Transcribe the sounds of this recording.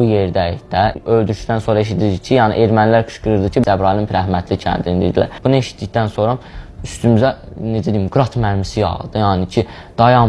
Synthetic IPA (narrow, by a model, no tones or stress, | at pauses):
ujeɾd̪æiçd̪æøld̪yɾʃd̪ænso̞ːɾɑe̞ʃ̬id̪iɾd̪icʰijɑːnḭʔeɾmænlæɾkʰɯ̥ʃɡɯɾɯɾd̪ɯcʰid͡ʒæbɾɑlimpʰɾæɦmæt̪ʰlicʰæ̰nd̪ind̪ḭɾd̪ilæ̰ɾb̥unie̞ʃi̥t̪̚ʰd̪içd̪ænso̞ɾɑyst̪ymyzæ | ned͡ʒæd̪ijimɡɾɑt̪ʰmæɾmisijɑ̰ʁɯ̰d̪̥ɯjɑːnicʰi | d̪̥ɑjɑ